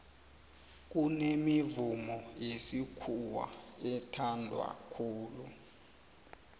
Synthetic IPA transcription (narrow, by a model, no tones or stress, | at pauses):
k̬unemivumɔjesikʰuwa̰ɛtʰandʱwa̰kʰuːlu